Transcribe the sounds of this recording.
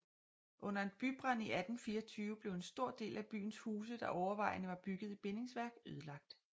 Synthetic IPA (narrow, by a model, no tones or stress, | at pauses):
ʔɔ̽n̰ɐed̥̚b̥yb̥ʁɑniæd̥n̩fiːɐt͡sʰyːʊəb̥le̝ʊe̝nsd̥o̝ɐ̰d̥e̝̰ːlʔæb̥y̰ːn̩shuːs̬əd̥ɑ̈ʔɒʊɐʋɑ̈ɪ̰nəʋɑ̈b̥yɡ̥ð̞̩ˠib̥e̝ne̝ŋsʋæɐɡ̥øð̞ˠlɑ̈ɡ̥̚d̥